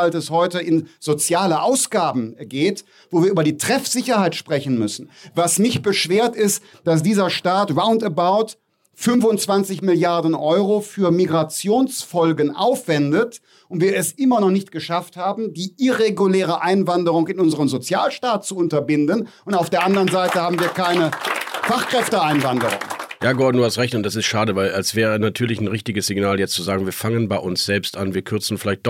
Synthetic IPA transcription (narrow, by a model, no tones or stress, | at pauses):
altɛshɔʏtəʔɪnz̥ot͡sjaːləʔaʊsɡ̥aːbm̩ɡeːt | voːviːɐʔyːbɐdiːtʁ̥ɛfz̥ɪçɐhaɪtʃpʁ̥ɛçn̩mʏsn̩vasmɪç̚b̥əʃv̥eːɐtɪst | d̥as̬d̥iːzɐʃtaːtʁaʊntəbaʊt | fʏnfʊntt͡sv̥ant͡sɪçmɪljaɐdn̩ʔɔʏʁofyːɐmiɡʁat͡sjoːnsfɔlɡənʔa̰ʊfv̥ɛndət | ʔʊntv̥iːɐɛsʔɪmɐnɔχnɪçtɡ̥əʃafthaːbm̩diːʔiʁeɡulɛːʁ̞əʔaɪnvandəʁʊŋɪnʊnzəʁəmzot͡sjaːlʃtaːt̚t͡suʊntɐbɪndənʔʊntaʊfd̥eːɐʔandəʁənzaɪtəhaːbm̩viːɐkaɪnəfaχkʁ̥ɛftəaɪnvandəʁʊ̰ŋjaːɡɔɐdnduːhastʁɛçtʊntd̥asɪstʃaːdəvaɪlalsv̥ɛːʁənatʰyːɐlɪçn̩ʁɪçtɪɡəsz̥ɪɡnaːljɛt͡stt͡suzaːɡŋ̩viːɐfaŋənbaɪʔʊnsz̥ɛlpstʔanviːɐkʰʏɐt͡sn̩fɪlaɪçt̚d̥ɔ